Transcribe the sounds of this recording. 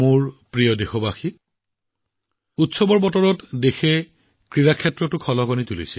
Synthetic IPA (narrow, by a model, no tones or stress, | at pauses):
muɹpɹijɔdexɔbaxi | utsɔbɔɹbɔtɔɹɔtdexɛ | kɹiɹakʰɛtɹɔtʊkʰɔlɔkɔnitulḭsɛ